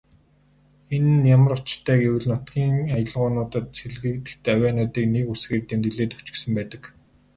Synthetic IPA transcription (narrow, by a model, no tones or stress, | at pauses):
enɘ̆njamə̆ɾʊt͡ɕt̪ʰæːɡewɘ̆ɮnʊt̪ɡʲiːŋajə̆ɮʁʊːnʊːt̪ə̆t̪seɮɣɘ̆k̚t̪ɘ̥̆kt̪ːwʲæːnʊːt̪iːknekusɡeːrt̪emt̪ɘ̆ɮeːt̪u̥t͡ɕɪ̆ksɘ̆mpæːt̪ə̆k